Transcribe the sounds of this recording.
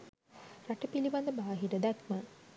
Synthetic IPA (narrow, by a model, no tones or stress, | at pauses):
ɾaʈəpiliband̪əbaːɦiɾəd̪akmə